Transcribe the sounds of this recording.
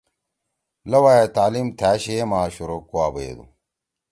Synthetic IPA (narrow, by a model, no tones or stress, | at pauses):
lɐwajet̪aːlimt̪ʰæːɕeemaːɕuɾokuaːbɐḛd̪ṵ